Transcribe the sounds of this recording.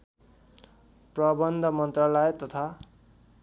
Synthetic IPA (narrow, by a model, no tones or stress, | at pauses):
prʌbʌnd̪ʱʌmʌnt̪ralajet̪ʌt̪ʰa